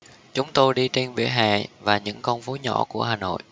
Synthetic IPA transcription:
t͡ɕʊ˨˦ŋ͡mt̪o˧jɗi˧t͡ɕe˧nvḭ˧˩ɦa̰ː˧˨vaː˨˩ɲɨ̰˧˥ŋkə˧wŋ͡mfo˨˦ɲɔ̰˧˩ku˧˩əɦaː˨˩no̰˧˨jʔ

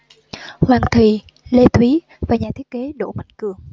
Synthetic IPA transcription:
hwaː˨˩ŋt̪ʰi˨˩ | le˧t̪wi˨˦ | vaː˨˩ɲaː˨˩t̪ʰi˦˥ət̚ke˨˦ɗo̰˧˩ma̰˧˨jŋ̟kɨ˨˩əŋ

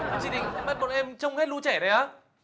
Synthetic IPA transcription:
t͡ɕi˧˩ɗï˨˩ŋ˧ma˦˥t̚mo˨˩t̚ʔɛ˧mt͡ɕə˧wŋ͡mhe˦˥t̚lu˧t͡ɕɛ˧˩nə˨˩jʔaː˨˦

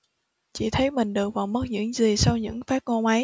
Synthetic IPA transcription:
t͡ɕḭ˧˩t̪ʰə˨˦jmï˨˩ŋ̟ɗɨ˨˩ək̚vaː˨˩wmə˦˥t̚ɲɨ̰˧˥ŋzi˨˩sa˧wɲɨ̰˧˥ŋfaː˦˥t̚ŋo˧nʔə˨˦j

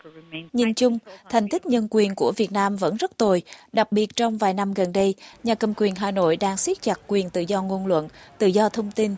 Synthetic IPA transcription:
ɲi˧nt͡ɕʊ˧ŋ͡mt̪ʰɛ˨˩jŋ̟t̪ï˦˥k̚ɲə˧nkwi˨˩ənku˧˩əvi˨˩ət̚naː˧mvə̰˧˥nzə˦˥t̚t̪o˨˩jɗa˨˩k̚ɓi˨˩ət̚t͡ɕɔ˧wŋ͡mvaː˨˩jna˧mɣə˨˩nɗə˧jɲaː˨˩kə˨˩mkwi˨˩ənɦaː˨˩no̰˧˨jɗaː˧ŋswi˦˥t̚t͡ɕa˨˩t̚kwi˨˩ənt̪ɨ̰˧˨zɔ˧ŋo˧nlwə̰˧˨nt̪ɨ̰˧˨zɔ˧t̪ʰə˧wŋ͡mt̪i˧n

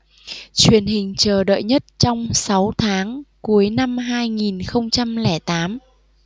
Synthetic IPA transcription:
t͡ɕwi˨˩ənɦï˨˩ŋ̟t͡ɕəː˨˩ɗə̰ː˧˨jɲə˦˥t̚t͡ɕɔ˧wŋ͡msa˨˦wt̪ʰaː˨˦ŋku˨˦əjna˧mɦaː˧jŋi˨˩nxə˧wŋ͡mt͡ɕa˧mlɛ˧˩t̪aː˨˦m

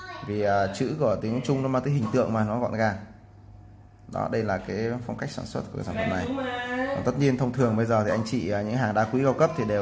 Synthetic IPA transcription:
vi˨˩ʔəː˨˩t͡ɕɨ̰˧˥ku˧˩ət̪i˨˦əŋt͡ɕʊ˧ŋ͡mnɔ˨˦maː˧nt̪əː˨˦ɦï˨˩ŋ̟t̪ɨ̰˧˨əŋmaː˨˩nɔ˨˦ɣɔ̰˧˨nɣaː˧˩ | ɗɔ̰˨˦ɗə˧jlaː˨˩kaː˨˦jfa˧wŋ͡mkjk̚saː˧˩nswə˦˥t̚ku˧˩kːa̰˨˩saː˧˩fə̰˧˨mna˨˩jkɔ˨nt̪ə˦˥t̚ɲi˧ənt̪ʰə˧wŋ͡mt̪ʰɨ˨˩əŋɓə˧jzəː˨˩t̪ʰi˨˩ʔa˧jŋ̟t͡ɕḭ˧˩˨ɲɨ̰˧˥ɦaː˨˩ŋɗa̰ː˧kwi˨˦kaː˧wkə˦˥p̚t̪ʰi˨˩ɗe˨˩w

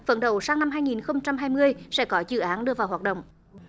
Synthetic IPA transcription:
və̰˧˩nɗə̰˧˩wsaː˧ŋna˧mɦaː˧jŋi˨˩nxə˧wŋ͡mt͡ɕa˧mɦaː˧jmɨ˧əjsɛ̰˧˥kɔ˨˦zɨ̰˧˩ʔaː˨˦nɗɨ˧əvaː˨˩wɦaː˨˩ɗə̰˧˨wŋ͡mʔ

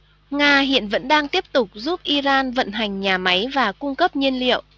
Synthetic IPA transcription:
ŋaː˧ɦḭ˧˨ənvə̰˧˥nɗaː˧ŋt̪i˦˥əp̚t̪ʊ˨˩k͡p̚zu˦˥p̚ʔi˧zaː˧nvə̰˧˨nɦa˨˩jŋ̟ɲaː˨˩ma˨˦jvaː˨˩kʊ˧ŋ͡mkə˦˥p̚ɲi˧ənlḭ˧˨əwʔ

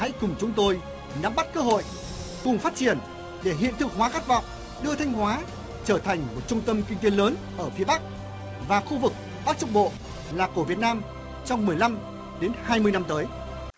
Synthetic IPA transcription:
a̰˧˥jkʊ˨˩ŋ͡mt͡ɕʊ˨˦ŋ͡mt̪o˧j | na˨˦mɓa˦˥t̚kəː˧ɦo̰˧˨j | kʊ˨˩ŋ͡mfaː˦˥t̚t͡ɕi˧˩ən | ɗe˧˩ɦḭ˧˨ənt̪ʰɨ˧˩əkhwaː˨˦xa˦˥t̚vɔ̰˧˨wŋ͡m | ɗɨ˧ət̪ʰa˧jŋ̟ɦwaː˨˦ | t͡ɕəː˧˩t̪ʰa˨˩jŋ̟mo˨˩t̚t͡ɕʊ˧ŋ͡mt̪ə˧mkï˧ŋ̟t̪e˨˦ləː˨˦n | ʔəː˧˩fi˨˦əɓa˦˥k̚ | vaː˨˩xu˧vɨ˨˩k̚ | ɓaː˦˥k̚t͡ɕʊ̰˧˥ŋ͡m̚ɓo̰˧˨ | laː˨˩ko˧˩vət̚naː˧m | t͡ɕɔ˧wŋ͡mmɨ˨˩əjla˧m | ɗe˨˦nhaː˧jmɨ˧əjna˧mt̪əː˨˦j

